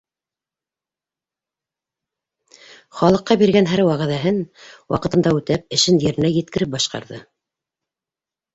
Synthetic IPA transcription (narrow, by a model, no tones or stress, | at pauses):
χɑlˠɤ̆qːɑbiɾɡænɦæɾwɑʁæðæɦɘnwɑ̰qɤ̆t̪ɤ̆nd̪ɑʉt̪æp̚ɘ̆ʃɘnjɘ̆ɾɘ̆næjɘ̆t̪̚kɘ̆ɾɘp̚bɑʃqɑ̰ɾðɤ